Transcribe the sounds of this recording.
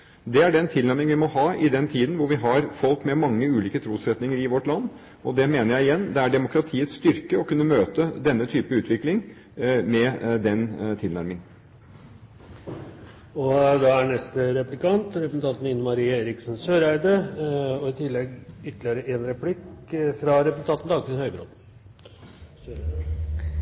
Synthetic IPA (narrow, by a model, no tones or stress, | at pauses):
d̪ɛæɖɛnt̪ʰɪlæɾmɪŋʋɪmɔɦɑːʔɪd̪ɛnt̪ʰiːd̪nʋʊɾʋɪɦɑɾfɔlkmɛmɑŋːəʉːliːkət̪ʰɾuːsɛt̪nɪŋəɾɪʋɔʈlɑnː | ɔd̪ɛmeːnəɾjæɪɪjɛnːd̪ɛæɖɛmʊkɾɑt̪ʰiːət̪sst̪ʏɾkəɔkʉnːəmøːt̪əd̪ɛnːət̪ʰyːpəʉːt̪ʰʋɪklɪŋ | mɛd̪ɛnt̪ʰɪlnæɾmɪŋ | ɔd̪ɑænɛst̪əɾɛplɪkɑnt̪ɾɛpsn̩t̪ʰɑnt̪n̩ɪnʊmɑɾiːɑeːɾɪksn̩søːɾæɪd̪əɔɪt̪ʰɪlːɛɡʏt̪ːəlɪəɾəʔeːnɾɛpʰlɪkfɾɑɾɛps̩t̪ʰɑːt̪nd̪ɑk̪ɾɪshœʏbɾo̰ːd̪